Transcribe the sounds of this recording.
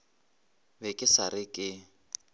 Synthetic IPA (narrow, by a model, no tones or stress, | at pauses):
bɛkʼɪsaɾɪkʼɪ